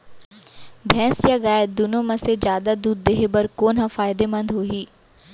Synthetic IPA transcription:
bʱɛ̃ːsjaɡaːed̪ʊnõmɐ̃sed͡ʒjaːd̪ad̪uːd̪̚ːeːɦebɐɾkoːnɦɐfaːɪd̪emɐ̃nd̪ɦoːɦiː

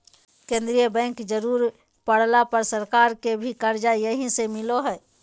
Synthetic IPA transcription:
kẽːnd̪ɾijəbɛ̃ːŋkd͡ʒəɾuːɾ | pəɽ̤lapɐɾsɐɾkaːɾkebʱikəɾd͡ʒajəɦĩsemɪloɦɛː

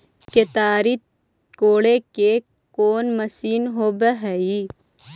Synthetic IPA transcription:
ket̪aːɾit̪ | koːɽeke | koːnmɐsiːnɦoːbəɦɛi

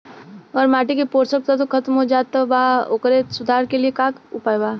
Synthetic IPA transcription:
ɔːɾmaːʈikipoːɾsək̚t̪at̪̬okʰɐt̪mɦod͡ʒaːt̪ːabaːo̰ːkɾesʊd̪ʱaːɾkeliekaːkʊpaːjbaː

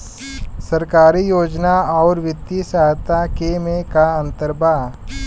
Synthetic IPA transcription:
səɾkaːɾijoːd͡ʒnaɔːɾʋɪt̪isaːt̪akemẽkaɐ̃nt̪əɾbaː

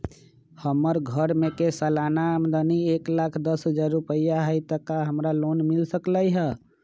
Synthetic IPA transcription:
həməɾɡʱəɾmekesəlanaəmd̪ənieklakʰd̪əsɦəd͡ʒaɾɾupəjaɦəjt̪əkaɦəmɾalonmilsəklaiɦə

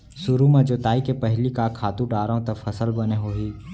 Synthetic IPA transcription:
sʊɾumɐ̃d͡ʒot̪aːikepɐɦlikakʰaːt̪ũɖaːɾaõt̪ɐfʰɐsəlbɐneɦoːɦiː

